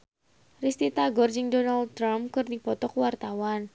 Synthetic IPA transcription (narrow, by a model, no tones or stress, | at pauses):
rist̪it̪aɡɔrd͡ʒɪŋdɔnald̚t̪ɾamkɨrdipɔt̪ɔkwart̪awan